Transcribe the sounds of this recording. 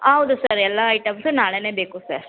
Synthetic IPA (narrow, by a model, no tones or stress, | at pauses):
hɐwd̪usɐɾɛlːɐːjʈɐmsunaːɭene̞ːbe̞ːkusɐɾ